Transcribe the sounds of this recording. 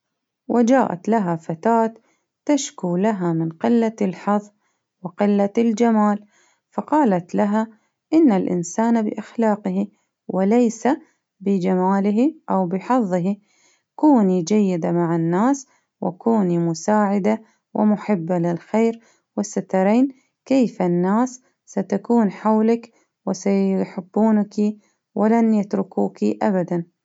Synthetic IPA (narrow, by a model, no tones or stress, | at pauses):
wʔɪd͡ʒaːʔa̰t̪laɦafat̪aːt̪ː | aʃkuːlaɦamɪnqɪlːalħɑðˤ | wɪqɪlːald͡ʒamaːl | fɑqɑːlat̪laɦa | ʔɪnːalʔɪ̰nsaːnabɪ̰ʔaxlaːqɪhi | wʔɪlajsa | bɪd͡ʒamaːlɪɦiʔawbɪħɑðˤːɪɦi | kuːnid͡ʒajːɪd̪amaʕanːaːs | wʔɪ̰kuːnimʊsaːʕɪd̪a | wʔɪ̰mʊħɪbːalɪlxeːɾ | wɪsːat̪ɑɾˤeːn | keːfanːaːsː | at̪akuːnħawlak | wɪsajħɪbːuːnaki | wɪlanjat̪ɾʊkuːkiʔabad̪an